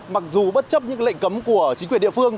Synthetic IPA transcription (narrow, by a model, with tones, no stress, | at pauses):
ma˨˩k̚zu˨˩ɓə˦˥t̚t͡ɕə˦˥p̚ɲɨ̰˧˥a˧˦l̰jŋ̟kə˨˦mku˧˩ət͡ɕi˨˦ŋkwi˧˩nɗḭ˧˨fɨ˧əŋ